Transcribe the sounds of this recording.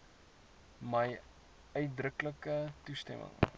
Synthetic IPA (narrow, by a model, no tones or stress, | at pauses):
məj | œɥt̚drəkləkətustɛ̰mʔə̰ŋ